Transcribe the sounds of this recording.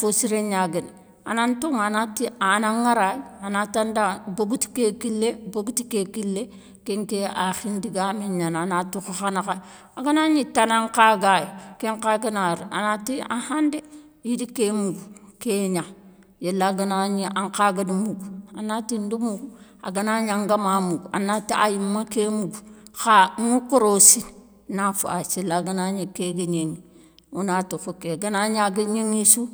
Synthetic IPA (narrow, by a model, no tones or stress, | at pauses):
fosiɾeɲaɡin | a̰nantuŋanatianaŋːaɾajanatandaboɡuti̥kekilːeboɡutikekilːe | keŋkeaxindiɡamiɲananatuxxanaka | aɡanaɲitanaŋkaɡajkeŋkaɡanaɾia̰natia̰hande | idikemuɡukeɲa | jelːaɡanaɲiʔaŋkaɡadimuɡuanːatindumuɡua̰ɡanaɲaŋɡamamuɡuanatiʔa̰jimːakemuɡuxaŋukuɾosin | nafṵa̰silːaɡanaɲikeɡiɲeŋi | unatufukeɡanaɲaɡiɲeŋisu